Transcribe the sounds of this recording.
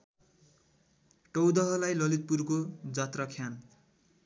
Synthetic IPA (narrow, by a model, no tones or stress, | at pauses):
ʈʌwd̪ʌɦʌlajlʌlit̪̚purkod͡zat̪rakʰjan